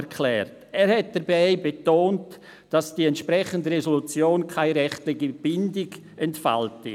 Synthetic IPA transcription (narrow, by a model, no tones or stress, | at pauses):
kʰlɛːɾtɛːɾhɛt̚d̥ɐɾbaɪbetoːnt | d̥asd̥iːɛntʃpɾɛχəndəʁezolut͡sjoːnkʰaɪɾɛχtlɪɡib̥ɪndɪɡ | ɛntfa̰ltɪ